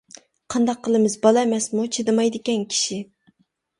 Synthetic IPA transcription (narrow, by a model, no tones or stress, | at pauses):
qʰɑnd̪ɑqʰːəlˠɨmɨzbɑlˠɑmɛsmut͡ʃʰed̪ɨmɑjd̪ɨkʲɛnkʲʰi̥ʃi